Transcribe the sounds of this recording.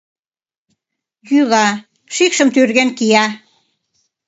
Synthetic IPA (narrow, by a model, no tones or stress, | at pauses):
jylɑ | ʃikʃəmt̪yrɣenkiɑ